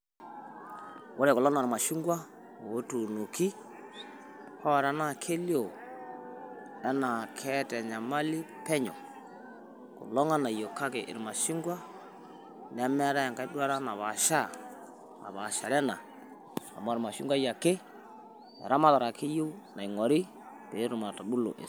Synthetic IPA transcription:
wo˦ɾɛ˨kʊ˨lɔ˦n˦˨ɾma˨ʃi˦ŋɡwa˦ | o˨˦tu˨no˨ki˦ | hɔ˦˨ɾa˦na˦˨kʰe˦lo˨ | ɛ˦na˨kʰɛ˦tɛ˨ɲa˨ma˦li˦ | pɛ˦ɲɔ̰˨ | kʊ̰˨lɔ˦ŋa˦na˨jo˨ka˦kḛ˨ʔɪ̰˨ɾma˨ʃi˦ŋɡwa˦ | n˨a˦mɛ˦ɾa˦˨ŋka˦i˦dwa˦ɾa˦na˨βa˨ʃa˦˨ | a̰˨ba˨ʃa˨ɾɛ˦na˨ | a̰˨mɔ˦˨ɾma˨ʃi˦ŋɡʷwa˦ja˨ke˦ | ɛ̰˨ɾa˦ma˦ta˨ɾa˨kʰe˦jo˦na˨ŋɔ˨ɾi˦ | te˨˦ɾu˨ma˨ta˨bu˦lo̰˨ʔḛ˨

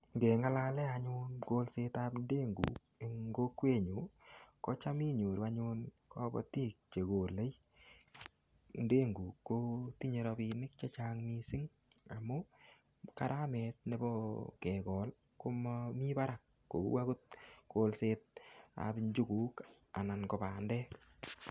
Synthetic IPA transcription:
ŋɡɛ˨ŋa˦la˦lɛ˦aɲʊ˦nko˦lse˧tapnde˦ŋɡṵ˨k | e˨ŋɡo˦kwe˦˨ɲu˨kɔ˦t͡ʃa˦mi˦ɲo˨ɾa˧ɲʊ˧n | kɔ˦bɔ̰˨ti˦k̚t͡ʃe˨ɡo˨le˦j | nde˦ŋɡuː˨kːo˦ti˦ɲe˧ɾɔ˧bi˧nɪ˦k̚t͡ʃe˦t͡ʃaː˦ŋmi˦sɪ˦ŋ | a˨mʊ˦ | ka˨ɾʔa˦mɛ˨t̚ne˨bɔ˦kɛ˨ɡɔː˨l | ko˦mɔmi˦ba˦ɾa˨k̚ːo˨ṵ˦wa˦ku˦t̚ko˨lseːt̚a̰pɲd͡ʒu˦kuː˨˦k | a̰˨na˨nkɔ˨paː˨ndɛ˦

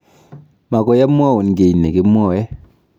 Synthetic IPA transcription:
ma˨kɔ˨ja˦m˦a˦˨wu˨nɡe˨i˨nːe˨ke˦m˦ɔ˦˨jɛ˦

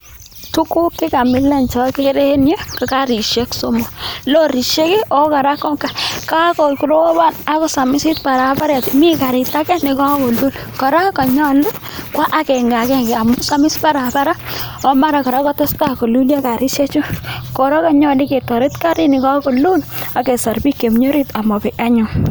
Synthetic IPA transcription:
tu˦ku˦kːɪ˦ka˨mɪ˦la˨nt͡ʃɔ˨ke˦ɾe˦nje˦ka˨ka˦ɾi˨ʃje˦kso˦mɔ˨lo˦ɾi˨ʃe˦ki˦ʔɔ˦ka˨ɾa˦kɔ˦ŋka˨ka˦kɔ˨ku˨ɾo˦wɔ˦ba˦˨na˦kɔ˦sa˨mɪ˦si˦tpa˨ɾa˨˦pa˦ɾɛ˨tmi˦ka˨ɾɪ˨ta˦kɛ˦nɪ˨kɔ˦ko˨lu˦l | kɔ˨ɾa˦kɔ˨ɲɔ˦lʊ˦ | kwa˦ʔa˨kɛ˨ŋɡa˨kɛ˦ŋɡe˨a˨mʊ˦sa˦mɪ˦spa˦ɾa˨pa˦ɾa˦ | ɔ˦ma˦ɾa˨kɔ˨ɾa˦kɔ˦te˦sta˦ko˨lu˦lja˦ka˨ɾi˦ʃe˦t͡ʃʊ˦kɔ˨ɾɔ˦ka˨ɲɔ˦li˦ke˨tɔ˨ɾe˦tka˦ɾi˦ni˨ka˦ko˨lu˦na˨ke˨sa˨ɾbi˦kːe˨m˦ɲo˦ɾi˦ta˨mɔ˨pɛ˨ʔa˦ɲʊ˨

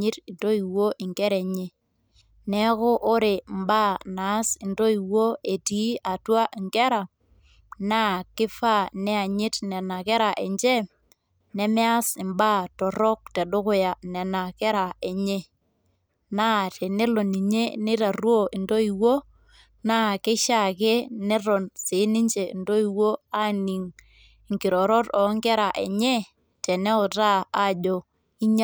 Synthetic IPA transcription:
ɪ˦tɪ˨ndo˦i˨wo˦ʔɪ˨ŋkɛ˦ɾɛ˨ɲe˦ | nɛ˦kʊ˦ʔːɾe˨m˦ba˦na˨˦sɪ˨ndo˦i˨wo˦e˨ti˨˦a˨twa˦ʔɪ˨ŋkɛ˦ɾa˨ | na˦kɪ˦fa˦˨nɛ˦a˨ɲɪ˦tnɛ˨na˨kɛ˦ɾa˨ʔɛ˨ɲd͡ʒɛ˦ | nɛ˦mɛ˦a˦sɪ˨mba˦tɔ˨ɾɔ˦k̚tɛ˨dʊ˦kʊ˦ja˨nɛ˨na˨kɛ˦ɾa˨ɛ˨ɲɛ˦ | na˦tɛ˨ne˦lɔ˨ni˨ɲe˦nɪ˦ta˨ɾwo˦ɪ˨ndo˦i˨wo˦ | na˦kɪ˦ʃa˦˨ke˦nɛ˦ɾɔ˨nsɪ˨˦nɪ˦ɲd͡ʒe˨i˨ndo˦i˨wo˦a˦ni˨ŋ˨ | ŋkɪ˨ɾɔ˨ɾɔ˦tɔ˨˦ŋɡɛ˦ɾa˨ʔɛ̰˨ɲɛ˦ | tɛ˨nɛ˦ɔ˨taː˦˨d͡ʒɔ˨ | i˦ɲa˦

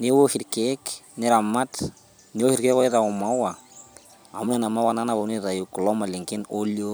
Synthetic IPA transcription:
ne˦wo˦hi˨ɾkeknɪ˦ɾa˨ma˦t | ni˦wo˦hi˦ɾkɛ˦kɔ˦i˦ta˨ɔ˨ma˦wa˨ | a̰˨mu˦na˨na˨ma˦wa˦na˦na˨βa˨˦ni˦ɾa˨ju˨ku˨lɔ˦ma˨li˨ŋkɪ˦no˦ljo

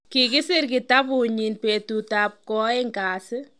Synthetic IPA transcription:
kɪkɪ˦sɪ˦rkɪ˨tapʊ˨ɲinpe˨tu˨tap̚kɔ˦ɪ˦ŋkaːsɪ˦

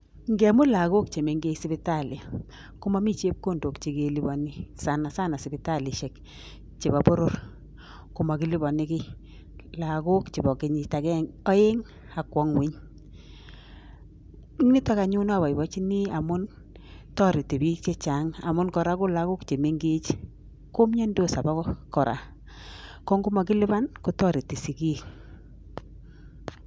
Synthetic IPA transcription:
ŋɡe˨˦mʊ˦la˨ko˦kt͡ʃe˨me˨ŋɡe˦sɪ˦bɪ˦ta˦˨lɪ˨ | kʊ˦ma˦mi˦t͡ʃe˦p̚ko˦˨ndo˨kt͡ʃe˨ke˨li˨bɔ˨nɪ˦sa˨na˨sa˦na˨sɪ˨bɪ˦ta˦˨lɪ˨ʃe˨k | t͡ʃe˨ba˨bo˦ɾo˦ɾ | kʊ˨ma˨kɪ˨˦li˦bɔ˨nɪ˦kɪ˦ | la˨ɡo˦kt͡ʃe˨bɔ˨kɪ˨˦ɲi˨ta˨kɛ˦ŋɔ˦e˦ŋ | a˨kwɔ˦ŋwi˦ɲ | i˦ŋni˦ta˦ka˨ɲu˦na˦˨βa˨i˨bɔ˦t͡ʃi˦ni˦a˨mʊ˦n | tɔ˦ɾi˨ti˨bi˦kt͡ʃe˦t͡ʃa˨˦ŋa̰˨mʊ˦nkɔ˨ɾa˦kʊ˦la˦kʊ˦kt͡ʃe˨me˦ŋɡi˦t͡ʃ | ko˦mɲe˦ndo˦sa˨ba˦ɔ˦kɔ˨ɾa̰˨ | kɔ˦ŋɡʊ˦ma˨kɪ˦lɪ˦ba˦nkʊ˨tɔ˦ɾi˨ti˨si˨ki˦k

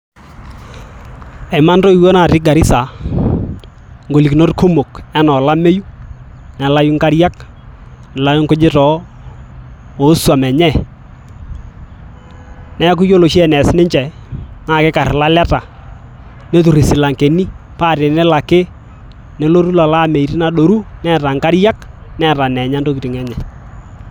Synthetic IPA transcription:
ɛ˨ma˦ndo˦i˨wo˦na˨ɾɪ˦ɡa˨ɾi˦sa˨ | ŋɡo˨li˨ki˨no˦tkʰo˦mo˨kɛ˦nɔ˨la˦me˦ju˦ | nɛ˨la˦ju˦ŋka˦ɾja˦k | nɛ˨la˦jŋkʊ˦d͡ʒɪ˦tɔ˨ | o˨˦swa˨mɛ˨ɲɛ˦˨ | nɛ˦k̬ʊ˦jo˦lo˨ʃɛ˨nɛ˨snɪ˦ɲt͡ʃɛ˨naː˦˨kɪ˦ka˨rla˦lɛ˦ta˨ | ne˦tu˨ɾi˨sɪ˨la˨ŋke˨ni˦pa˦˨tɪ˨nɛ˦la˨kɪ˦ | ne˦lo˦ɾu˦la˨la˦˨me˨i˨ɾi˦na˦ɗo˨ɾu˦nɛ˦ta˨ŋka˦ɾja˦k | nɛ˦˨ta˨nɛ˨ɲa˦nto˦ki˨tɪ˨ŋɛ˦ɲɛ˨

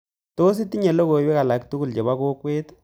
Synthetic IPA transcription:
to˦s̬i˦ti˦ɲɛ˨lo˦ɣo˨i˦bɛ˦ka˨la˨ktu˦ɡu˦˨lt͡ʃe˨ba˦ko˦kwe˦t

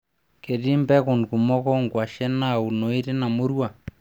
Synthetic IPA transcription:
ke˨ɾi˦mbɛ˦ko˨nku˨mɔ˦kɔ˦ŋɡwa˨ʃɛ˦na˦u˨no˨i˦ɾe˦na˨mo˦ɾwa˨

